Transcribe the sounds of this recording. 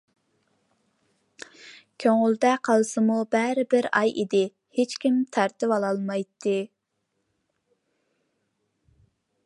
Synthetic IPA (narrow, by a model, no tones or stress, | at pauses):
kʲʰøŋʊlˠd̪ɛqʰɑlˠsɨmubæɾɪbɪɾɑ̰jʔḭd̪ɪ | het͡ʃkʲʰimt̪ʰæɾt̪ɪvɑlˠɑlˠmɑjt̪ʰːɨ